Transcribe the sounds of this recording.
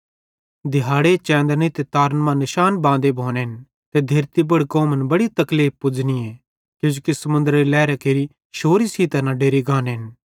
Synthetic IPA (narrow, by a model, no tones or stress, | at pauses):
d̪ɪɦaːɽet͡ʃɛ̃ːnd̪əɾnit̪et̪aːɾnmãnɪʃaːnbãːd̪ebʱoːneɦɪn | t̪ed̪ʱeːɾt̪ibɐɽkoːmənbɐɽit̪ɐkliːppʊd͡ʒnie | kjõːd͡ʒoːkisɐmʊ̃nd̪əɾilɛːɾakeːɾi | ʃoːɾisiːt̪ɐnãɖeːɾiɡãːnɦɪn